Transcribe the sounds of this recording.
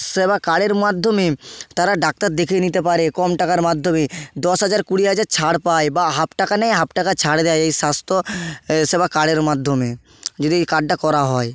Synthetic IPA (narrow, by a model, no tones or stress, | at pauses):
ʃebakaɽeɾmad̪ʱːomet̪aɾaɖak̚t̪aɾd̪ekʰenit̪ep̬aɾekɔmʈakaɾmad̪ʱːomed̪ɔsɦad͡ʑaɾkuɽiɦad͡ʑaɾt͡ɕʰaɽpaebaɦapʈakanɛjɦapʈakat͡ɕʰaɽd̪ejejʃast̪ʰoʃebakaɽeɾmad̪ʱːome | d͡ʑod̪iejkaɖ̚ʈakɔɾaɦɔe